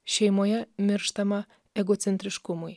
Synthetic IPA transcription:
ɕɛjmojɛmʲɪɾʃt̪ɐmɑ | ɛɡot̪t͡s̪ʲent̪ʲɾʲɪʃkumuj

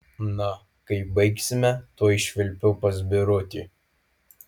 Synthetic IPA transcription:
nɐ | kɐɪbɐɪksʲɪmʲɛt̪uɔɪʃʲʋʲɪlʲpʲʊpɐzʲbʲɪɾʊt̪ʲiː

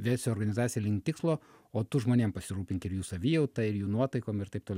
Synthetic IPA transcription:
ʋʲæːsʲoːɾɡɐnʲɪzɑːt͡ssʲijɛlʲɪŋʲkʲt̪ʲɪkslˠoː | oːt̪ʊʒmoːnʲeɛmpɐsʲɪɾuːpʲɪŋʲkʲɪɾjuːsɐʋʲiːjɛʊt̪ɐɪɾjuːnuɔt̪ɐɪkoːmɪrt̪ɐɪp̚t̪oːlʲɛ

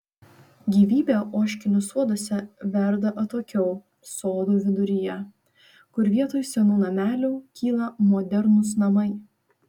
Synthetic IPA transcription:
ɡʲiːʋʲiːbʲeʔoːʃʲkʲɪnʲʊsuɔd̪oːsʲɛʋʲɛɾd̪ɐʔɐt̪oːkʲɛʊ | soːd̪uːʋʲɪd̪ʊɾʲɪjɛ | kʊɾʋʲiɛt̪oːjsʲɛnuːnɐmʲæːlʲuːkʲʰiːlˠɐmɔd̪ʲɛɾnʊs̬nɐmɐɪ

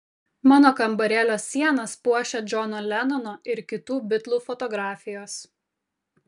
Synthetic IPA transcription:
mɑːnoːkɐmbɐɾʲɛlʲoːsʲːiɛnɐspuɔʃʲɛd͡ʒʲɔnoːlʲɛnɔnoːɪɾkʲɪt̪uːbʲɪt̪lˠuːfɔt̪ɔɡɾɑːfʲɪjoːs

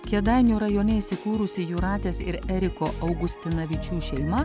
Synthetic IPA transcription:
kʲɛd̪ɑɪnʲuːɾɐjoːnʲɛisʲɪkuːɾʊsʲɪjuːɾɑːt̪ʲeːsɪɾɛɾʲɪkoːʔɐʊɡʊsʲt̪ʲɪnɐʋʲɪt͡ʃʲuːʃʲɛɪmɐ

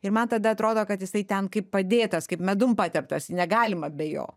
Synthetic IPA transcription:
ɪɾmɐnt̪ɐd̪ɐɐt̪ɾoːd̪oːkɐt̪jɪsɐɪt̪ʲɛnkɐɪppɐd̪ʲeːt̪ɐskɐɪpmʲɛd̪ʊmpɑːt̪ʲɛp̚t̪ɐsɪnʲɛɡɑːlʲɪmɐbʲɛjo̰ː

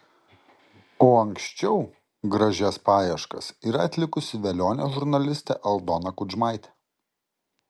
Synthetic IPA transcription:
oːɐŋʲksʲt͡ʃʲɛʊ | ɡɾɐʒʲɛspɑːjɛʃkɐsiːɾɐɐt̪ʲlʲɪkʊsʲɪʋʲɛlʲoːnʲɛʒʊɾnɐlʲɪsʲt̪ʲɛ̰ʔɛlˠd̪ɔnɐkʊʒmɑˑɪt̪ʲɛ̥

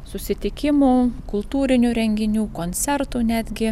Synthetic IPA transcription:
sʊsʲɪt̪ʲɪkʲɪmuːkʊlˠt̪uːɾʲɪnʲuːɾʲɛŋʲɡʲɪnʲuːkoːnʲt̪sʲɛɾt̪uːnʲæːd̪ʲɡʲɪ

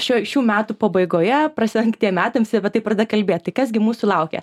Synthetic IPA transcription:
ʃʲuːʃʲuːmʲæːt̪uːpɐbɐɪɡoːjɛprɐsʲɪɛŋkt̪ʲiɛmʲæːt̪ɐmsʲbʲɛt̪ɐɪprɐd̪ʲɐkɐlʲbʲeːt̪̚t̪ɐɪkɐsɡʲɪmuːsʊlˠɐʊkʲɛ̰

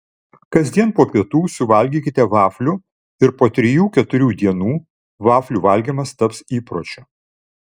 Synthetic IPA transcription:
kɐzʲd̪ʲiɛnpoːpʲiɛt̪uːsʊʋɐlʲɡʲiːkʲɪt̪ʲɛʋɑːfʲlʲʊ | ɪɾpoːt̪ʲɾʲɪjuːkʲɛt̪ʊɾʲuːd̪ʲiɛnuː | ʋɑːfʲlʲuʋɐlʲɡʲimɐst̪ɐpsiːpɾoːt͡ʃʲoː

